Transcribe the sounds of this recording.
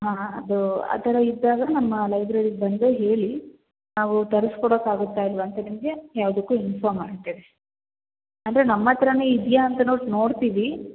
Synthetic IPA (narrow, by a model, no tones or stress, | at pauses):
ɦãːɐd̪ua̰ːt̪ɐɾɐid̪ːaːɡɐnɐmːɐlɐjbɾeːɽiɡbɐnd̪eːɦe̞ːɭi | naːʋut̪ɐɾɐskɔɽoːkaːɡut̪ːaːilʋɐnt̪ɐnimɡejaːʋɐd̪ukːuːinfaːmaːɡt̪ːad̪e | ɐnd̪ɐɾenɐmːɐt̪ɐɾɐnuid̪jaːnt̪ɐnoːʈno̞ːɽt̪iːʋi